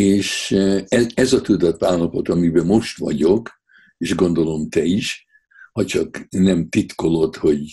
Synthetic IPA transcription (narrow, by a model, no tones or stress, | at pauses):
eːʃɛɛzɒt̪ud̪ɒt̪baːllɒpo̞t̪ɒmibɛmo̞ʃt̪ʋɒ̰ɟo̞k | eːʒɡo̞nd̪o̞lo̞mt̪ɛiʃ | hɒt͡ʃɒknɛmt̪it̪ko̞lo̞t̪ho̞ɟ